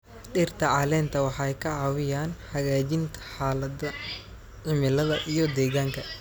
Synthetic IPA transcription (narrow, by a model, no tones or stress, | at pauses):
ɖɪrt̪ʰɐʕɑlɛːnt̪ʰɐwɑħɑɛjkʰɐʕɑːwɪjaːnħɐɣaːt͡ʃɪnt̪ʰɐ̥ħaːlɐd̪ɐ | ʕɪmɪlɐðɐʔijɞd̪ɛːɣaːŋkʰɐ